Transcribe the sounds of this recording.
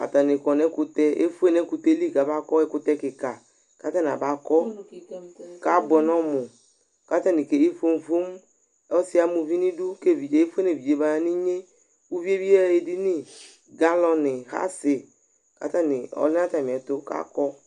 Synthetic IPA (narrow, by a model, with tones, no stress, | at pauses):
a̰˨t̪a˨nɪ˨kɔ˨nɛ˨˦ku˧t̪ɛ˦ʔḛ˦fu˦e˦nɛ˨˦ku˧t̪e˦li˦ɡa˨ba˦kɔ˦ɛ˦kʊ˦t̪ɛ˧kɪ˨ka˨ | ka˦t̪a˦n˨a˨ba˨˦kɔ˦ | ka˦bɛ˨nɔ̃˦mʊ˨ | ka˦t̪a˦ni˨ke˨e˦fo˧˦m˦fo˦m˦ | ɔ˦si˦a˦mu˧vi˦nĩ˦du˦ke˦˨vi˨d͡ʒe˨e˦fe˦ne˨vi˨d͡ʒe˨ba˦ni˦ɲe˦ | u˦vi˦e˦bi˦ɛ˦e˨di˦ni˦ | ɡa˦lɔ˧nɪ˨ha̰˦sɪ˨ | ka̰˨t̪a˦nɪ˨ɔ̰˨˦lɪ˦na˦t̪a˨mi˨ɛ˨t̪o˦ka̰˦kɔ˦